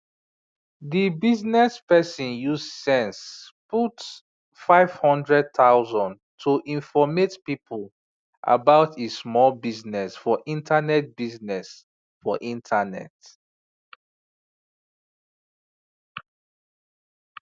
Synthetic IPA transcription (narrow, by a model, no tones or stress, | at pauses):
dibiznɛspɛsĩnjuzsɛ̃nsput | faɪv̥hɔ̃ndɹɛd̚t̪ʰaʊzɔ̃n | tʰuʔĩnfɔmetpipʰul | ʔa̰baʊtʰismɔlbiznɛsfɔʔĩntanɛt̚biznɛs | fɔʔĩntʰanɛ̰t